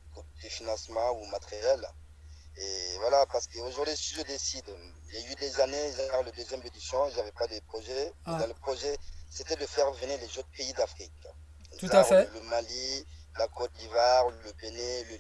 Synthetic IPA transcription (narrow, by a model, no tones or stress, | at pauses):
ɔ̃d̪̥əfinɑ̃smɑ̃umat̪ʁjɛl | evwalapaʁsə̥kəoʒuʁd̪ɥisiʒəd̪esid̪ | iljayd̪ezaneʒaɛʁləd̪øzjɛ̃med̪ysɑ̃ʒavɛpad̪əpχoʒɛd̪ãləpχoʒɛset̪ɛd̪əfɛʁvəniʁlɛzot̪χpeid̪afχik | t̪uzaʁləmali | lakot̪̚d̪ivaʁləbenɛlə